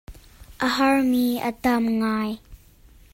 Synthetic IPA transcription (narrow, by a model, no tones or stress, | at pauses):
ʔəɦɐɹmiːʔə̰t̪ɐmŋaːj